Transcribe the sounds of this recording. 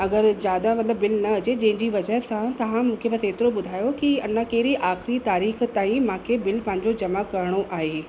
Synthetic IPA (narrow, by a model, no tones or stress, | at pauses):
ɐɡəɾzjaːd̪amɐt̪ləbːɪlnɐɐd͡ʑed͡ʑɐ̃ɦɪ̃ɲd͡ʑiʋɐd͡ʑəɦsãt̪ɐʋ̤ãmũːkʰepɐseːt̪ɪɾobʊd̪ʱaːjokiɐnãkɐɦɪɾiʔaːxɾit̪aːɾiːxt̪aːĩmãːkʰebɪlpɐ̃ɦɪ̃ɲ̆d͡ʑod͡ʑɐmakɐɾəɽ̃oʔaːɦe